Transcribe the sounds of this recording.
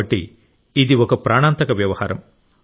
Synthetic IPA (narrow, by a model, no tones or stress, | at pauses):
ɐʈːḭ | id̪iɔkɐpɾaːɳaːnt̪ɐkɐʋjɐʋɐhaːɾɐ̰m